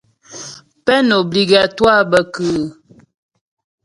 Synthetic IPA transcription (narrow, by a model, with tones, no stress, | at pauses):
pɛ˦no˨bli˨ɡa˨twa˦bə˨kʉː˨